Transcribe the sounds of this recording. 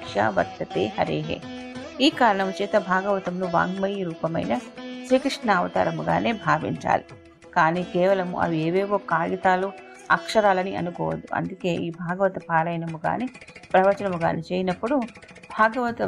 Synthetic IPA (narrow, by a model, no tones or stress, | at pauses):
kʂa̰ːʋɐ̰t̪ːɐt̪ḛːɦɐɾḛːɦḛː | iːkaːɾɐɳɐmut͡ʃeːt̪ɐbʱaːɡɐʋɐt̪ɐmnuʋa̰ːŋɡmɐjɾuːpɐmɐ̰jnɐʃɾiːkɾiʂnaːʋɐt̪a̰ːɾɐmuɡa̰ːne̞ːbʱaːʋḭɲt͡ʃa̰ːli | kaːniːkeːʋɐlɐmṵʔɐ̰ʋieːʋeːʋoːkːaːjɐt̪aːlu | ɐkʂɐɾaːlɐniʔɐ̰nukɔːʋɐd̪ːuʔɐ̰nd̪uke̞ːʔiːbʱaːɡɐʋɐt̪ɐpaːɾɐjnɐmuɡa̰ːneːpɾɐʋɐt͡ʃɐnɐmuɡa̰ːnit͡ʃeːjinɐpːuɽu | bʱaːɡɐʋɐt̪ɐ